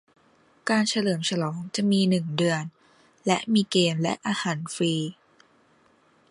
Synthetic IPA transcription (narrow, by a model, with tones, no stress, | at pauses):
kaː˧nt͡ɕʰa˧lɤː˩˦mt͡ɕʰa˧lɔː˩˦ŋt͡ɕa˨˩ʔmiː˧nɯ˨˩ŋdɯ˧ən | lɛ˦˥ʔmiː˧keː˧mlɛ̰˦˥ʔaː˧haː˩˦nfiː˧